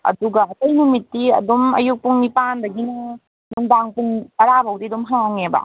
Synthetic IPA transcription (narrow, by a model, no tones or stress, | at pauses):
ɐ̰duɡɐɐtɐjnumitːiɐ̰dumɐ̰juk̚puŋnipandɐɡinɐ | duŋdaŋpuŋɐɾabʱawdidumɦaŋawŋebɐ̰